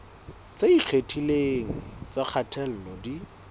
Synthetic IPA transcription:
t͡saik͡xʰetʰileŋ̩t͡sak͡xʰatʰɛl̩lɔdi

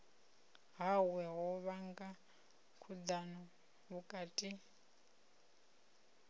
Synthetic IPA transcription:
ɦawɛɦɔβaŋɡa | kʰud̪anɔ | βukʼaːtʼi

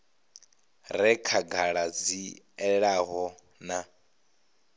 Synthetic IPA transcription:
ɾɛkʰaɡʱaɺad͡zi | ɛɺaɦɔ | na

